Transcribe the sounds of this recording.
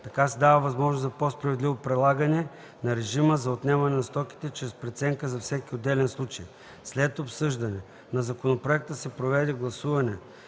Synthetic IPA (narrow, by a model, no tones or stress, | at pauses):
t̪ɐkasɛd̪avɐvɐzmɔʒnoszɐpospɾɐvɛd̪livopɾɛlˠaɡənɛ | nɐɾɛʒiməzɐot̪nɛvɐnɛnɐst̪ɔki̥t̪ɛt͡ʃɾɛspɾɛt̪sɛŋkəzɐfsɛkʲiod̪ːɛlɛnslˠut͡ʃɐj | slɛt̪opsɤʒd̪ɐnɛ | nɐzɐkonopɾoɛk̚t̪əsɛpɾovɛd̪ɛɡlˠɐsuvɐnɛ